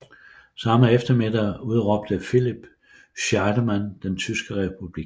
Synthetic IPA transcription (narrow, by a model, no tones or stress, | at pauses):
sɑ̈məefd̥ɐmed̥ɐuð̞ˠʁɒ̽b̥̚d̥əfilib̥ | ɕɑd̥əmænd̥ent͡sʰysɡ̥əʁɛpʰub̥liɡ̥